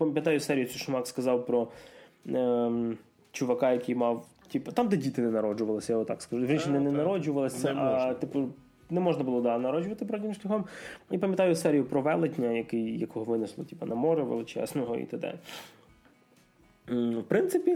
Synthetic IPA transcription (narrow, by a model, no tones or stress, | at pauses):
pɐmʲjɐt̪ɑjʊsɛɾʲijʊt͡sʲujʃʊmɑkskɐzɑwpɾɔ | t͡ʃʊʋɐkɑjɐkijmɑw | tʲipɐt̪ɑmd̪ɛdʲit̪ɪnɛnɐɾɔd͡ʒʊʋɐlˠɪsʲɐjaɔt̪ːɑkskɐʒuʒit͡ʃnʲinɛnɛnɐɾɔd͡ʒʊʋɐlˠɪsʲɐʔɐt̪ɪp | nɛmɔʒnɐbʊlˠɔd̪ɑnɐɾɔd͡ʒʊʋɐt̪ɪpɾɔdʲimʃlʲɐxɔmipɐmʲjɐt̪ɑjʊsɛɾʲijʊpɾɔʋɛlˠɪtʲnʲɐjɐkɪjjɐkɔɦɔʋɪnɪslˠɔtʲipɐnɐmɔɾɛʋɪ̰lˠɪt͡ʃɛ̰znɔɦɔ̰ḭt̪ɐd̪ɛ̰ | wpɾɪnsɪpʲi